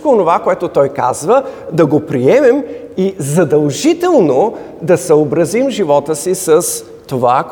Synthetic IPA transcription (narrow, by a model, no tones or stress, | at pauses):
koonovakoɛt̪ot̪ɔjka̰zvəd̪ɐɡopɾiɛmɛm | izɐd̪ɐlˠʒit̪ɛlˠno | d̪ɐsɐobɾɐzimʒivɔt̪əsisəs | t̪ova